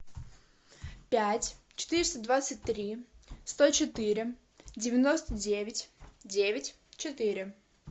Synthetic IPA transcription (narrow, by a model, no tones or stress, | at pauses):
pʲætʲt͡ɕɪ̥t̪ɨɾʲɪst̪əd̪vat̪sɨt̚ʲt̪ɾʲist̪ot͡ɕɪt̪ɨɾʲɪ | dʲɪvʲɪno̞st̪ədʲevʲɪtʲdʲevʲɪtʲ | t͡ɕɪt̪ɨɾʲɪ